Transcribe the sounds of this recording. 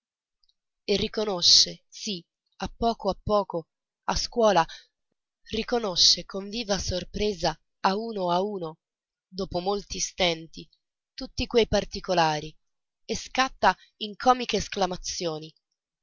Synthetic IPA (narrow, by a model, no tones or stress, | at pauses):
erːikonoʃːesi | apːɔːkoapːɔːko | askwɔːla | rikonoʃːekoɱviːvasorpɾeːzaː | uːnoauːno | d̪oːpomolt̪ist̪ɛnt̪i | t̪ut̪ːikwejpart̪ikolaːɾi | eskat̪ːa | iŋkʰɔːmikeːsklamat̪sːjoːni